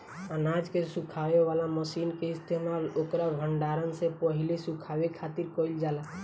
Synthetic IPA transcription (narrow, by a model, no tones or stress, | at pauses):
ənad͡ʒkesũkʰaweʋalaməsinkeist̪emalokɾabʱəɳɖaɾənsẽpəɦilisũkʰaʋekʰat̪iɾkɔild͡ʒala